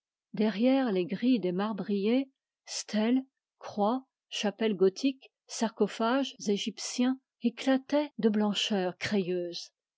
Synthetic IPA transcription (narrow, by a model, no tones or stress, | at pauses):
d̪ɛʁjɛʁleɡʁid̪emaʁbʁije | st̪ʰɛl | kχwa | ʃapɛlɡɔt̪ʰik | saʁkɔfaʒzeʒipsjɛ̃ | eklat̪ɛd̪əblɑ̃ʃœːʁkχejøːz